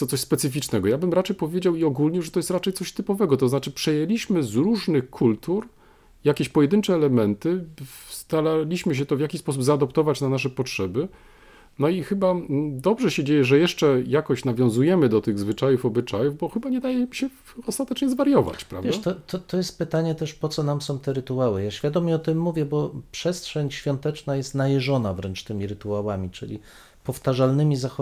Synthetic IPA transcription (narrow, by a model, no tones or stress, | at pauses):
sɔt̪sɔɕʲspɛt̪sɘfʲit͡ʂnɛɡɔjabɘmɾat͡ʂɛjpɔvʲjed͡ʑawiɔɡulɲɛʐɛt̪ɔjɛst̪ɾat͡ʂɛjt̪sɔɕt̪ɘpɔvɛɡɔt̪ɔznat͡ʂɘpʂɛjɛlʲiɕmɘzɾuʐnɘxkʰult̪uɾ | jakʲeɕpɔjɛd̪ɘnt͡ʂɛːlɛmɛnt̪ɘst̪alalʲiɕmɘɕ̬ɛt̪ɔvjakʲispɔs̬ubzaːd̪ɔpt̪ɔvat͡ɕnanaʂ̬ɛpɔtʂɛbɘ | nɔixɘbad̪ɔbʐɛɕɛd͡ʑejɛʐɛjɛʂt͡ʂɛjakɔɕnavʲjɔ̃w̃zujɛmɘd̪ɔt̪ɘɣzvɘt͡ʂajufɔbɘt͡ʂajuvbɔxɘbaɲɛd̪ajɛɕɛ | ɔst̪at̪ɛt͡ʂɲɛzvaɾjɔva̰t͡ɕpɾa̰vjɛʂat̪ɔt̪ɔt̪ɔjɛst̪̚pɘt̪aɲɛt̪ɛʂpɔt̪sɔnamsɔ̃w̃t̪ɛɾɘt̪uawɘjaɕfʲjad̪ɔmɲɛɔt̪ɘmːuvʲjɛbɔpʂɛstʂɛɲɕfʲjɔnt̪ɛt͡ʂnajɛst̪najɛʐɔnavɾɛnt͡ʂt̪ɘmʲiɾɘt̪uawamʲit͡ʂɘ̰lʲḭ | pɔft̪aʐalnɘmʲizaxɔ